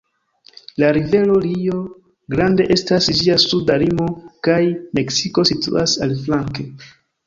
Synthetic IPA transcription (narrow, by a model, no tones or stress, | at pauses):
laɾive̞lo̞lio̞ | ɡɾande̞ʔe̞stasd͡ʒiasudalimo̞kajme̞ksiko̞sitṵasalflaŋke̞